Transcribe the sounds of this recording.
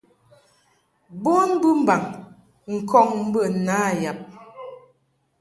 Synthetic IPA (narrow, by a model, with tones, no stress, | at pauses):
bo˦nbɨ˦m̩˦ba˨ŋ | ŋ̩˨kʰɔ˦˨ŋm̩˦bə˦˨naː˨˦˨ja˨p̚